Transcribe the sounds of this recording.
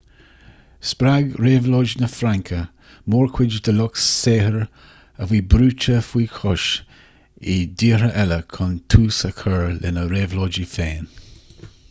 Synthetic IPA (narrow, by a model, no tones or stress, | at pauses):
spɾaɡɾeːvloːd͡ʒnəfɾaŋkʰə | moːɹkʰwɪd͡ʒd̪əlʊkseːhəɹ | əwiːbɾuːt͡ʃəfwiːkʰɔʃ | ɪd̪iːɾəʔɛləkʰʊnt̪ʰuːsəkʰəɹlɪnəɾeːvloːd͡ʒifeːn